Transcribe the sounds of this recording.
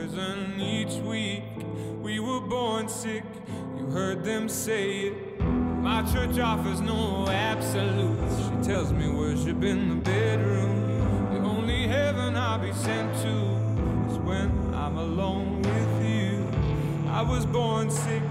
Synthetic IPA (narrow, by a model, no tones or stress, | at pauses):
zə̃nit͡ʃwik | wiwə˞bɔɹnsɪk | jɨɦɜ˞d̪̚ðɨ̃mseɪɪt̚ | ʌmaɪt͡ʃʰɜ˞t͡ʃɔfəznoʊæb̥səlutʃitʰɛlˠzmiwə˞zɨbɪ̃nðəbɛdɹũm | iõʊ̃nliɦɛvə̃naɪbisɛ̃ntʰu | ɨzwɨ̃n | ã̰ɪ̃məlõʊ̃nwɪðjʉ | a̰ɪwʌzbɔɹnsɪk̚